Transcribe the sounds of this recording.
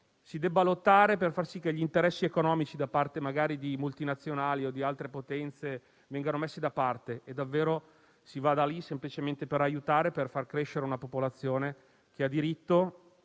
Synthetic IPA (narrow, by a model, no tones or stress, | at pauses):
sid̪ɛbːalot̪ːaːɾeperfarsikːeʎːint̪eɾɛsːiekonɔːmit͡ʃid̪apart̪emaɡaːɾid̪imult̪inat̪sːjonaːliod̪ialt̪ɾepot̪ɛnt̪se | vɛŋɡanomesːed̪apart̪eed̪ːavːeːɾo | sivad̪alisemplit͡ʃement̪epeɾajut̪aːɾeperfarkɾeʃːeɾeunapopolat̪sːjoːne | k̟ead̪iɾit̪ːo